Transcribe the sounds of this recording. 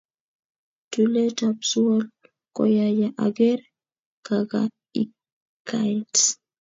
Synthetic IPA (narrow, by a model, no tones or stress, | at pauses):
tulɛtapsuɔl | kɔ̰jajaʔaɡɛɾ | kaɡa̰ | i | kʰːajt